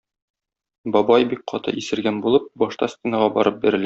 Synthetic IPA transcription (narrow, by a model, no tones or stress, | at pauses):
bɒbɑjbik̚qʰɒt̪ɤ̰ʔisɘ̆ɾɡænbulˠɤp̚bɒʃt̪ɑsʲt̪ʲenɑʁɑbɒ̰ɾɤp̚biɾɘ̆læ